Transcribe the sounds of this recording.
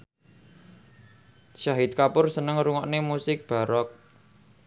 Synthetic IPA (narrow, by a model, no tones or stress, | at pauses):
ʃaɦɪt̪̚kapʊrsənəŋruŋɔʔnemusɪk̚b̥a̤ɾɔk̚